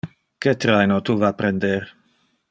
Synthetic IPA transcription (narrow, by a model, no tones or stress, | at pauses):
ket̪ɾajnot̪uvapɾend̪eɾ